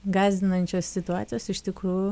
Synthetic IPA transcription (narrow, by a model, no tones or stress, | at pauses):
ɡɑːzʲd̪ʲɪnɐnʲt͡ʃʲoːssʲɪt̪ʊɑːt̪sʲɪjoːsɪʃt̪ʲɪkɾuːjʊ